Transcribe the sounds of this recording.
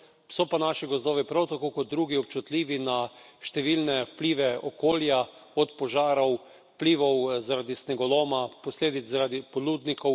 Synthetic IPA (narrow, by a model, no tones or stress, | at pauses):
sɔpanaʃiɡɔzd̪ɔːʋipɾawt̪akokɔt̪̚d̪ɾuːɡiɔp̚t͡ʃut̪liːʋinaʃt̪ɛʋilnɛwpliːʋɛɔkoːljaɔt̪pɔʒaːɾɔw | wpliːʋɔwzaɾad̪isnɛɡɔlɔmaposleːd̪it̪zzaɾad̪ipoluːd̪nikɔw